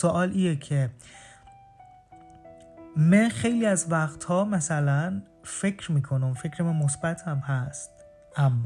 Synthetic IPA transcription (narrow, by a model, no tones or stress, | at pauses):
soʔɒːlʔiːnecʰe̞ | mænxe̞jliːæzvæxt̪ʰhɒːmæsælæn | fe̞cʰɾmiːkʰonumfecʰɾemænmosbæt̪ʰhæmɦæst̪̚ | ʔæmː